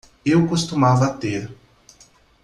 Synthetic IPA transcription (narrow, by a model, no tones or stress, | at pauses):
ewkost̪umavɐt̪eɾ